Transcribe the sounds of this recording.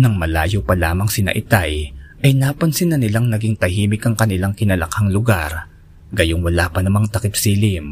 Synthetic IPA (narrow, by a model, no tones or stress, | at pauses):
nɐŋmɐlaːjopɐlaːmɐŋsɪnɐ̰ʔɪt̪ajʔɐjnaːpɐnsɪnːɐnɪlaŋnɐɡiŋt̪ɐhiːmɪkɐŋkɐnɪlaŋkɪnɐlɐkaŋlʊɡaɾ | ɡɐjoŋwɐlaːpɐnɐmɐŋt̪ɐkɪpsiːlɪm